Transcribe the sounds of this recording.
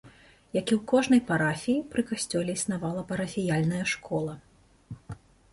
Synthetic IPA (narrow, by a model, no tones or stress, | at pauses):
jakʲiwkɔʐnɐjpaɾafʲijipɾɨkasʲt͡sʲɔlʲɛisnavalˠɐpɐɾɐfʲijalʲnɐjɐʂkʰɔlˠɐ